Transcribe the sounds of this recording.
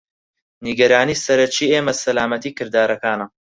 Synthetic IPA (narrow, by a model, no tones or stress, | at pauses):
niɡɐɾaːniːsɐɾɐt͡ʃiːeːmɐsɐlaːmɐt̪iːkɨɾd̪aːɾɐkaːnɐ